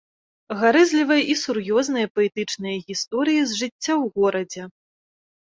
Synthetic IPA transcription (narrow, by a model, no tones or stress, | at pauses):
ɣaɾɛzʲlʲivɐjɐʔisurjɔzn̪ɐjɐpɐɛt̪ɨt͡ʂnɐjɐɣʲist̪ɔɾɨjizʐɨt͡sʲːawɣɔɾɐd͡zʲɛ